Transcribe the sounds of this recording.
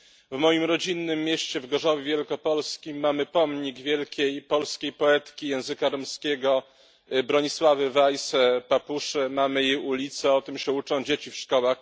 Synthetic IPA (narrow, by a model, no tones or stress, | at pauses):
vmɔjimɾɔd͡ʑinːɘmʲːjeɕt͡ɕɛvɡɔʐɔvʲevʲjɛlkɔpɔlskʲimːamɘpɔmɲiɡvʲjɛlkʲejpɔlskʲejpɔɛt̪kʲijɛ̃w̃zɘkaɾɔmskʲɛɡɔ | bɾɔɲiswavɘvajsɛpapuʂɛmamɘjejulʲit̪sɛɔt̪ɘmɕɛut͡ʂɔ̃w̃d͡ʑet͡ɕifʂkɔwax